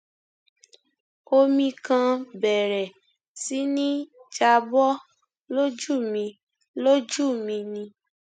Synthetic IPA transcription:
o˧mĩ˧kã˧bɛ˨ɾɛ˨ | si˨˦nĩ˦d͡ʒa˧bɔ˦ | lo˦d͡ʒu˦˨mĩ˧ | lo˦d͡ʒu˦˨mĩ˧nĩ˧

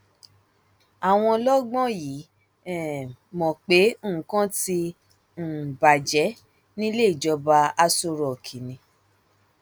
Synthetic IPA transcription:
a˨w̃ɔ̃˧lɔ˦ɡ͡bɔ̃˦ji˨˦ | ɛ˨mɔ̃˨k͡pe˨˦˨kã˦ti˧ | m̩˨ba˨d͡ʒɛ˨˦ | nĩ˦le˦i˨d͡ʒɔ˧ba˧a˧so˧ɾɔ˨kʰi˨nĩ˧

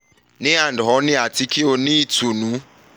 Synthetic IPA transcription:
nɪ̃˦a˨n̩˨dɦɔ˨˦nɪ̃˦a˨tʰi˦kʰi˦o˨nĩ˦tʰu˨nũ˨˦

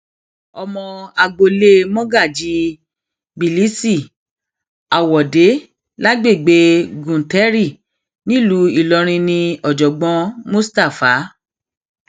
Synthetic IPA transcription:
ɔ˧mɔ̃˧a˧ɡ͡bo˧le˦mɔ̃˦ɡa˦˨d͡ʒi˨˦ | bi˨li˦si˦˨ | a˨wɔ˨de˨˦ | la˦ɡ͡be˦˨ɡ͡be˨˦ɡũ˨tɛ˦ɾi˦˨ | nĩ˦˨lu˨˦i˦˨lɔ˧˦ɾ̃ĩ˧nĩ˧ɔ˨d͡ʒɔ˨ɡ͡bɔ̃˧˦mũ˦sta˦˨fa˨˦

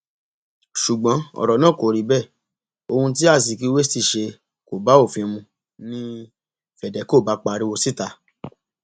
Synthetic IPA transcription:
ʃu˨ɡ͡bã˨˦ɔ̰˨ɾɔ˨nã˦˨ko˨ɾi˨˦bɛ˦˨ | o˧hũ˧t̬i˦a˦˨s̬i˨ki˦we˦ti˦˨ʃe˧ | ko˨ba˨˦o˦˨fĩ˧mũ˧ | nĩ˦ | fɛ˨dɛ˨˦ko˦˨ba˨˦k͡pa˧ɾi˦wo˧si˦˨ta˧

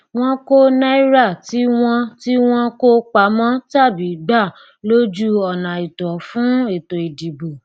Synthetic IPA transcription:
w̃ɔ̃˧ko˦na˦i˦ɾa˦˨ti˦w̃ɔ̃˧ti˦w̃ɔ̃˧ko˦k͡pa˨˦mã˦ta˦˨bi˨˦ɡ͡ba˦˨ | lo˦d͡ʒu˦ɔ˨nã˨i˨tɔ˨fũ˨˦e˨to˨i˨di˨bo˨

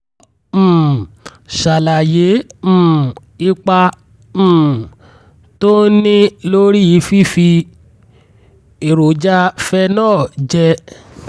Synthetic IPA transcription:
ʃa˨la˨je˨˦m̩˦˨ | i˧k͡pa˧ | m̩ː˦ | to˦nĩ˦lo˦ɾi˦ji˨˦fi˦fi˧ | e˨ɾo˨d͡ʒa˦fɛ˦nãː˦˨d͡ʒɛ˧

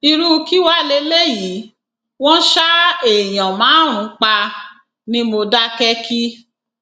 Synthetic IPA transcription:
i˧ɾu˦˧ki˦wa˦˨le˦le˦ji˨˦ | wɔ̃˦ʃa˦e˨j̃ã˨mãː˨˦ɾ̃ũ˨˧˦k͡pa˧ | nĩ˦mo˧da˦kɛ˦kʰi˦

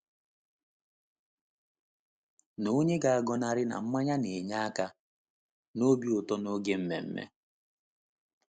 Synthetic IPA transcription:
no˦ɲe˦ɡa˨a˨ɡɔ˨na˨ɾɪ˦na̰˨m̩˦ma˦ɲa˦ne˨ɲa˦a˦ka˦ | no˦bi˦ʊ˨tɔ˦no˦ɡe˦m̩˦mḛ˨m̩˦mḛ˦

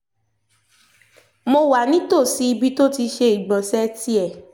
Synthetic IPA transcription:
mo˧wa˨nĩ˦to˦˨si˨˦i˧bi˧˦to˦ti˧ʃe˧i˨ɡ͡bã˨sɛ˦ti˦ɛ˦˨

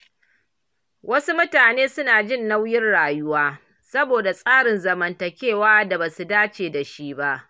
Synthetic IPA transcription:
wʔɐ˦su˦mʊ˦taː˨neː˦sʊ˦naː˨d͡ʒɪ˦˨nːa˦wjɪ˦nɽaː˨jʊ˦waː˦ | sɐ˦boː˨da˨sʼaː˦ɽɪ˨nzɐ˨mɐ˨ntɐ˨kʲeː˦˨waː˦da˨baː˨su˨daː˦t͡ʃeː˨da˨ʃi˦ba˦ʔ

